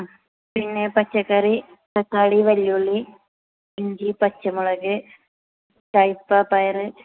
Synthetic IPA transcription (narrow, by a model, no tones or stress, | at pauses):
pinːepɐt͡ɕːɐkːɐri | sɐkːaːɽiʋɐljuɭːi | iɲɡipɐt͡ɕːɐmuɭɐɣɨ | tɐjpːapɐjɐrɨ